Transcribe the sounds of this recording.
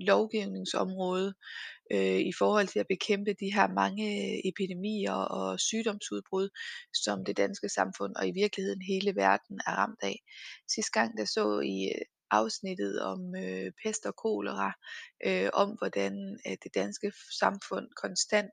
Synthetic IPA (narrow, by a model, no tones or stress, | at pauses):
lɒʊɡ̥iʊne̝ŋsɒ̽mʁɔ̽ːð̞ˠøifɒːhɒ̽l̰t͡sʰe̝læb̥e̝kʰem̰b̥əd̥iɦæɐmɑ̈ŋəe̝pʰid̥e̝mḭːɐɒ̽syːɾ̥ɒ̽msuð̞ˠb̥ʁuð̞̰ˠsɒ̽md̥e̝d̥ænsɡ̥əsɑ̈mfɔ̽n̰ɒ̽iʋiɐɡ̥lihe̝ð̰ˠn̩ɦe̝ːləʋæɐd̥n̩æɐʁɑ̈m̰d̥ɛ̰ːsisd̥̚ɡ̥ɑ̈ŋ̰d̥ɑ̈sɔ̰̽ːi | ʔɑ̈ʊsnid̥ð̞̩ˠɒ̽møpʰesd̥ɒkʰo̝̰ːləʁɑʔøɒ̽mʋɒd̥ænd̥e̝d̥ænsɡ̥əsɑ̈mfɔ̽n̰kʰɒ̽nsd̥æn̰d̥